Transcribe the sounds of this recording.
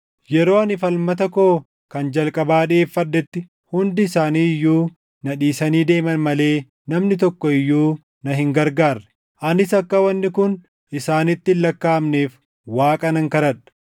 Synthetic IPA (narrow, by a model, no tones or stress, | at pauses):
jɛɾo̞ːɐnɪfɐlmɐt̪ɐko̞ː | kɐnd͡ʒɐlkʼɐbaːᶑeːfːɐd̪ːɛt̪ːɪ | hʊnd̪ɪːsaːniːɪjːuː | nɐᶑiːsɐniːd̪e̞ːmɐnmɐle̞ː | nɐmnɪt̪̬ɔkːɔɪjːuː | nɐɦɪŋɡɐɾɡaːɾɐ̥ | ʔɐnɪsɐkːɐwɐnːɪkʊn | ɪsaːnɪt̪ːɪlːɐkːaːmneːf | waːkʼɐnɐŋkɐɾɐᶑɐ̥